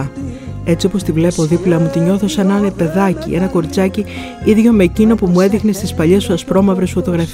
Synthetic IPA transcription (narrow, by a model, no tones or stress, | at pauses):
e̞t͡sio̞po̞st̪ivle̞po̞ðiplɐmut̪iɲo̞θosenɐnepe̞ðɐcie̞nɐko̞ɾit͡sɐci | iðʝo̞mecino̞pumueðixne̞st̪ispɐʎesuɐspɾo̞mɐvɾe̞sfo̞t̪o̞ɣɾɐf